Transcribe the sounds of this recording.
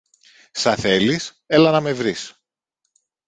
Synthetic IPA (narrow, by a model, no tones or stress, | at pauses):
sɐθe̞lis | elɐnɐme̞vɾis